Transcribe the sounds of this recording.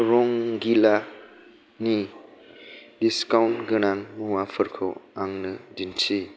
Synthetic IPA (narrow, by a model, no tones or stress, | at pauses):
ɾɔŋɡila | ni | diskawntɡɯnaŋmuwapʰɯɾkʰɯ̰aŋnɯdintʰi